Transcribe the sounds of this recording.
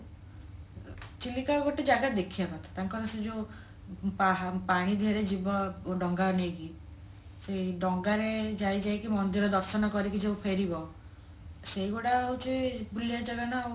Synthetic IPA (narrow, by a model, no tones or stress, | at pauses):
t͡ʃilːikaɡoʈed͡ʒaɡad̪ekʰiabat̪ʰɔ̥t̪aŋkɔɾɔsed͡ʒo | papaɽ̃id̪ʱeɾed͡ʒibɔɖɔŋɡaɔneɡi | seɖɔŋɡaɾed͡ʒajd͡ʒajkimɔnd̪iɾɔd̪ɔɾsɔnɔkɔɾikid͡ʒeũpʰeɾibɔ | seiɡoɽaut͡ʃʰebulijat͡ʃɔlɔñɔ